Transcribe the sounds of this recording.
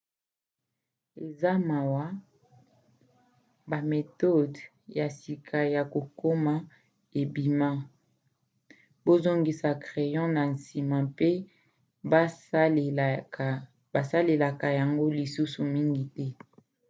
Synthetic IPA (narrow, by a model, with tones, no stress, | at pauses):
e˨za˦ma˨wa˦ | ba˨me˨to˦˨d | ja˨si˨kʰa˨ja˨ko˨ko˦ma˦ | e˨bi˨ma˦ | bo˦zo˦ŋɡi˨sa˨kʁe˨jɔ̃˦na˨n˨si˨ma˨pe˦˨ | ba˨sa˦le˨la˨ka˨ja˨ŋɡo˦li˨su˦su˨mi˦ŋɡi˨tɛ˦